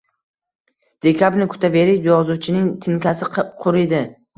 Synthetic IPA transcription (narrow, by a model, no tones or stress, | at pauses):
d̪̥e̞kʲʰabɾnɪkʰʊ̥t̪ʰave̞ɾɪʃjɒzut͡ʃʰɪnɪŋt̪ʰɪnkʲʰasɪqʰʊɾed̪ɪ